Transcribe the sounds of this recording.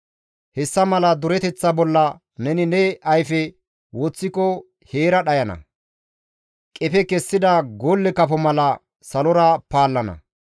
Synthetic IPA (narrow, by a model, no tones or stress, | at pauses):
hɛsːɐmɐlɐd̪ʊɾɛt̪ɛt͡sːɐbɔlːɐ | nɛnɪnɛɐjfɛ | wɔt͡sːɪkɔ | heːɾɐɗɐjɐnɐ̰ | kʼɛpɛkɛsːɪd̪ɐɡolːɛkɐfɔmɐlɐ | sɐlɔɾɐpaːlːɐnɐ̰